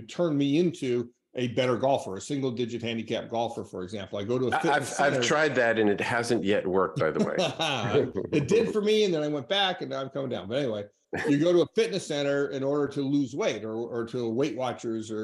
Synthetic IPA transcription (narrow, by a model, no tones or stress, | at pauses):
tʰɜ̃˞nmiɪ̃ntʰʉ | ʔɨbɛɾə˞ɡɔlˠfə˞ɨsɪ̃ŋɡl̩ˠdɪd͡ʒɨt̚hæ̃ndikʰæp̚ɡ̥ɔlˠfə˞fə˞ɨɡzæ̃mpl̩ˠaɪɡoʊɾəəfɪaɪvaɪv̥əɹ̥aɪd̪̚ðɨɾɨ̃nɨt̚hæzɨ̃nʔjɛt̚wɜ˞k̚b̥aɪðə̰wḛɪ | ɨt̚d̥ɪd̥fə˞miɨ̃nðɨ̃naɪwɛ̃nb̥ækɨ̃ñ̩ãɪ̃mkʰʌ̃mɪ̃ŋdãʊ̃nbʌɾɛ̃niweɪ | jɨɡoʊɾəəfɪtⁿnɨsɛ̃ɾ̃ə˞ɪ̃nɔɹɾə˞ɾɨluzweɪɾə˞ːɾəweɪʔwɑt͡ʃə˞zə˞